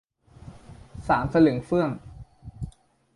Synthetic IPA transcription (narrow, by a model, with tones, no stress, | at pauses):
saː˩˦nsa˧lɯ˨˩˦ŋfɯ˥˩əŋ